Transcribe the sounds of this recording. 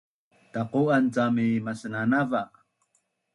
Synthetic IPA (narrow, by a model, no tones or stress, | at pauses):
taquant͡samimasənanava